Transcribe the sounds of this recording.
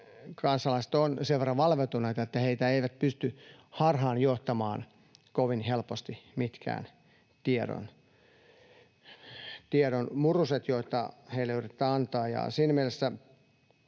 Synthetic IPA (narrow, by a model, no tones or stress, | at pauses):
kɑnsɑlɑise̥t̪onseʋʋerːɑʋɑlʋet̪uneit̪ɑet̪ːæheit̪æeiʋæt̪̚pyst̪yhɑrhɑːnjoht̪ɑmɑːn | koʋinhelpost̪imit̪kæ̰ːn | t̪ieɾo̰n | t̪ieɾonmuruset̪joit̪ɑ̰heileyrit̪ːæːɑnt̪ɑːjɑ̰siːnæmielesːæ